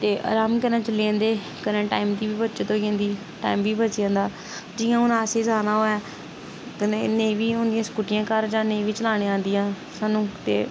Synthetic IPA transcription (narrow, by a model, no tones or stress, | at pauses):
t̪eːʔa̰ːɾaːmkəɾnãːt͡ʃəliãːnd̪eː | kənẽːʈaːimd̪iːbiːbətːʃet̪oːẽːnd̪iː | ʈa̰ːimbiːbətːt͡ʃjãːnd̪aː | d͡ʒɪːãːʊnaːseːzaːnaːɦoːɛː | kənenẽːʋiːõːnd̪ijãːskuːʈɪjãːkəɾd͡ʒãːnẽːʋiːt͡ʃəlaːɽ̃ẽːãːnd̪ɪjãː | saːnũːt̪ḛː